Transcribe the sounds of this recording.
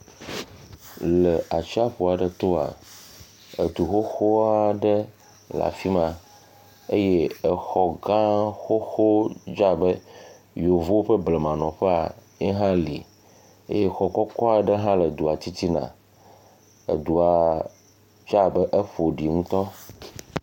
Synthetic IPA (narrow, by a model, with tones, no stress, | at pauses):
lə˨a˨t͡ʃi˦a˦ɸo˨a˨ɖə˨t̪o˦a̰˨ | e˨t̪u˨xo˦xo˦a˦ɖə˦ | la̰˨fi˦mã˨ | e˦je˦ə˨xɔ˨ɡã˦xo˦xo˦d͡ʒa˦bə˦ | jo˨vo˦wo˦ɸə˦ble˨mã˨nɔ̃˨ɸɛ˦a˨ | e˦ɦã˦lḭ˨ | ḛ˦je˦xɔ˨kɔ˦kɔ˦a˨ɖə˦ɦã˦lə˨d̪u˨a˨t͡ɕ̪i˦t̪i˦nã̰˨ | ḛ˨d̪u˨a˨ | d͡ʒa˦bə˦ʔə˦ɸo˨ɖi˨ŋũ˦t̪ɔ˦